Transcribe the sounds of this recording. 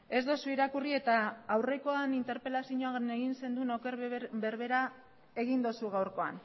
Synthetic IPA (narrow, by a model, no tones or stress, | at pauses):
e̞zd̪osuiɾakurie̞t̪aːwre̞ko̞anint̪e̞ɾpe̞lasiɲoaneɣinse̞nd̪unokeɾbeɾβe̞ɾa | e̞ɣind̪osuɣ̞awɾko̞a̰n